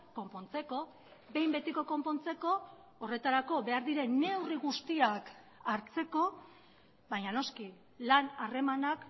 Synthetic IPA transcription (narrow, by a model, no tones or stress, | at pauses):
ko̞mpo̞nt͡se̞ko̞ | be̞jmbe̞t̪iko̞ko̞mpo̞nt͡se̞ko̞ː | re̞t̪aɾako̞βe̞aɾðiɾe̞ne̞wriɣust̪iak | aɾt͡se̞ko̞ | βajɲano̞ski | lanare̞manak